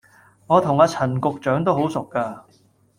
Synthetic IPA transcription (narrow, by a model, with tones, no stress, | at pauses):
ŋɔː˨˧t̪ʰʊ˨˩ŋaː˧t͡sʰɐ˨˩nkʊ˨k̚t͡ʃœː˨˥ŋt̪o˥wɦo˨˥wsʊ˨kːaː˧